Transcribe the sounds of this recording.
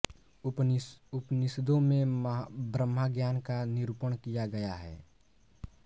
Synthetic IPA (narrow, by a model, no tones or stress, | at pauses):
ʊpnɪsd̪õmẽmbɾəmːaɡjaːnkanɪɾupəɽ̃kijaɡɐjaɦɛ̰ː